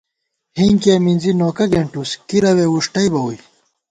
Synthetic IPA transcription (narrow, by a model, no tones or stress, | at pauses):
hiŋkeːminzinoːkɐɡeɳʈuskiɾɐweːuʂʈɐjbɐwuj